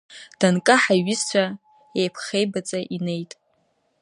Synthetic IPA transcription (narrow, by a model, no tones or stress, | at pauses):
d̥ankʼaħaɥɪst͡ʃʷa | ejpʰχejbat͡sʼaʔine̞jtʼ